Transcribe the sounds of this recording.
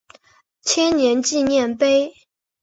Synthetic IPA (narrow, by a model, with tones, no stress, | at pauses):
t͡ɕʰjɛ˥nnjɛ˨˧˥nt͡ɕi˥˧njɛ˥˨˩npe˥ɪ